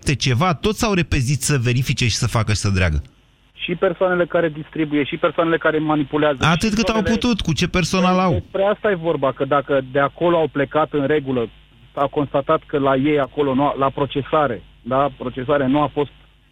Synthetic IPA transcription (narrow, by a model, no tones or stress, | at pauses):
t̪et͡ʃe̞vat̪o̞t̪sʲawɾe̞pe̞zit̪səve̞ɾifit͡ʃe̞ʃi̥səfakəaʃst̪əd̪ɾea̰ɡə | ʃipe̞rsoane̞le̞kaɾe̞d̪ist̪ɾibuje̞ʃipersoanele̞kaɾemanipuleazəat̪ɨt̪kɨt̪awput̪ut̪kut͡ʃe̞pe̞rso̞nalawespɾeast̪aje̞vo̞rbakəd̪akəd̪eako̞loawple̞kat̪ɨnɾe̞ɡulə | sawko̞nst̪at̪at̪kəlaje̞jako̞lo̞nualapɾo̞t͡ʃe̞saɾe̞ | d̪apɾo̞t͡ʃe̞saɾenuafo̞st̪